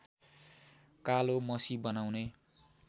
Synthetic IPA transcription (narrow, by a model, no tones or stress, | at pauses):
kalomʌsibʌnawne